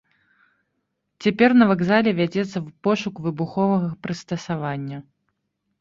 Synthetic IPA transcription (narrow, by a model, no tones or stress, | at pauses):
t͡sʲapʲɛrnɐvaɡzalʲɛvʲad͡zʲɛt̪sːɐwpɔʂukvɨbuxɔvɐɣɐpɾɨst̪ɐsavanʲːɐ